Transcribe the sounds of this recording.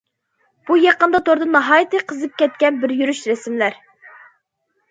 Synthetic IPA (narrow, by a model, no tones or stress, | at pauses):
b̥ujɑqənd̪ɑt̪ʰoɾd̪ɨnɑɦɑjit̪ʰɨqʰəzɨp̚kʲɛt̪̚kʲɛnbɪɾjyɾyʃɾɛsmlæɾ